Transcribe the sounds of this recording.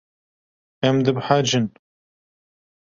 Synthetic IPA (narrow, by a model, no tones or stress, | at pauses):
ɛmd̪ɨbħad͡ʒɨn